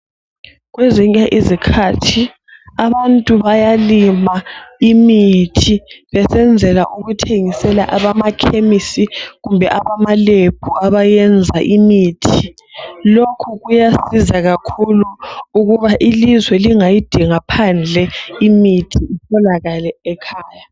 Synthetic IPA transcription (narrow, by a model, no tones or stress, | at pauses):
ɣweziɲaʔizikʰatʰi | aβantʼuβajalimaimitʰiβɛsɛnd͡zʱɛlaʔuɣutʰeŋisɛla̰ʔaβamakʰemisiɣumbʱɛʔaβamalepʰuaβajɛnd͡zʱaʔimiːtʰi | lokʰuɣujasizaɣakʰuluuɣuβaʔilizwɛliŋajid̥ʱiŋapʰand͡ɮʱɛimitʰiitʰɔlaɣalɛːkʰaːja